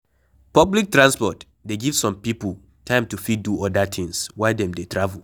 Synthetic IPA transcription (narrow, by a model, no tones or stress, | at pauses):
pɔblik̚tɹãnspɔt | deɡiv̥sɔ̃mpipul | tʰãɪ̃mtufid̚duɔdat̪ʰĩŋswaɪdɛ̃mdetɹavul